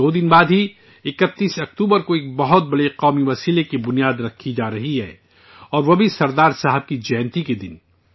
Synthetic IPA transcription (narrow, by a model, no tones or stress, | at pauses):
oːd̪ɪnbaːd̪ɦi | ɪkət̪ːiːsɐk̚t̪uːbəɾkoeːk̚bɐɦʊt̪̚bɐɽeqɔːmiʋɐsiːlekebʊnijaːd̪ɾɐkʰːid͡ʒaːɾɐɦiɦɛ̰ː | ɔːɾʋobʱisɐɾd̪aːɾsaːɦəb̚kid͡ʒɛːnt̪iked̪ɪn